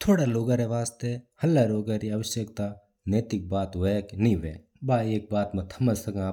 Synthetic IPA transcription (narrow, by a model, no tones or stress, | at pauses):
t̪ʰoːɽaloːɡãɾeʋaːst̪ehɐlːaɾoːɡaɾiɐʋəʃjəkt̪a | neːt̪ɪk̚baːt̪ʋeknĩʋḛː | baːieːk̚baːt̪mɐ̃t̪ʰɐməsɐɡãː